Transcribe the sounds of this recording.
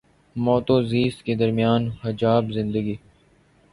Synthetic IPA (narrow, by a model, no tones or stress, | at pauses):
mɔːt̪oziːsked̪ɐɾmijaːnhɐd͡ʒaːbzɪ̃nd̪əɡiː